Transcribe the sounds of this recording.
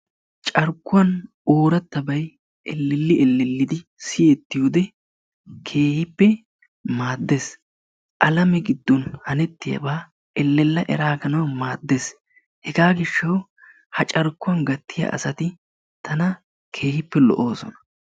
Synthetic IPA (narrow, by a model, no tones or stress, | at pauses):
t͡ʃʼɐɾkːʊwɐn | oːɾɐt̪ːɐbɐj | ʔɛlːɛlːɪʔɛlːɛlːɪd̪ɪsɪjet̪ːɪjoːd̪ɛ | kʰe̞ːhɪpːɛ | maːd̪ːeːs | ʔɐlɐmɛɡɪd̪ːɔnhɐnɛt̪ːɪjɐ̰baː | ɛlːɛlːɐʔɛ̰ɾaːɡɐnɐwmaːd̪ːes | hɛɡaːɡɪʃːɐw | hɐt͡ʃʼɐɾkːʊɐnɡɐt̪ːɪjɐ̰ʔɐ̰sɐt̪ɪ | t̪ʰɐnɐ | kʰe̞ːhɪpːɛlɔ̰ʔo̞ːsɔ̰nɐ̥